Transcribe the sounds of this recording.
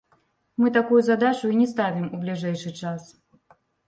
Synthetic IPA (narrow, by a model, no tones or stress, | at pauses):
mɨt̪̬akujuzad̪at͡ʂuinʲɛst̪avʲimublʲiʐɛjʂɨt͡ʂas